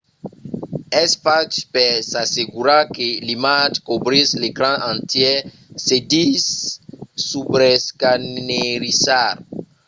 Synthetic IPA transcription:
ɛsfatpɛsaseɡuɾakelimatkobɾislekɾãʔãnt̪jɛ | sedisː | ubɾɛskanneɾisaɾ

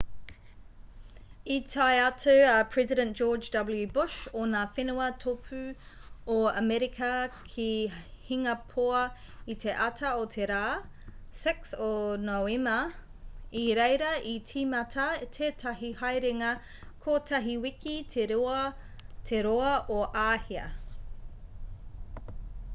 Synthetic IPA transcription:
itʰajɐtuɐpʰɹ̥ɛzidɛ̃nd͡ʒ̥oːd͡ʒdɐbəljʉbʊʃonaːfenuɐtʰopʰʉ | oɐmɛɾikʰɐkʰihiŋɐpʰoɐ | it̪ʰeʔɐtʰɐotʰeɾaː | sɪksonowemɐ | iɾejɾɐʔitʰiːmɐtʰɐtʰeːtʰɐɦihajɾeŋɐ | kʰoːtʰɐɦiwikʰitʰeɾuɐ | t̪ʰeɾoɐʔoʔaːhiɐ̰

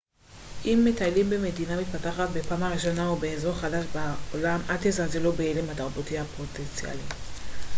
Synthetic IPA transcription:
ʔimːe̞talimbeme̞dinamit̚pataχat̪̚be̞paːmaʁiʃo̞naubeezo̞ʁχadaʃbaolamat̪ezazelo̞beelemhataʁbotiapo̞t̪ent͡sia̰li

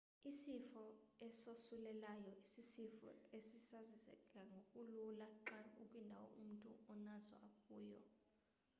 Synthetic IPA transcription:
isifɔɛsosulɛlajɔisisifɔ̰esisazizɛ̰kʼaŋɡʱokʼululaǁaukʼwindʱawɔ̰ʔum̩tʼṵɔnazɔ̰akʼuːjɔ̰

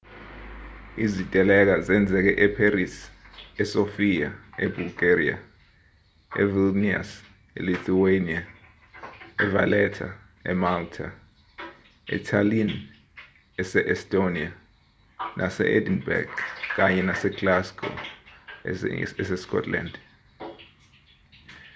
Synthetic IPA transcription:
izitʼɛlɛk̬azɛnd͡zʱɛk̬ɛʔɛpʰaɾisɛsofijaɛbulɡeɾḭa̰ | ɛ̰vilnia̰s | ɛ̰liθʰuwenia | ɛva̰lɛtʰa̰ | ɛ̰maltʰa | ɛ̰tʰalin | ɛsɛʔɛstʼonia | nʔasɛ̰ʔedinbɛ̰ɡkʼaɲɛnasɛklaskʰʼɔ̰ | ɛsɛskʰʼɔ̰tʰla̰nd

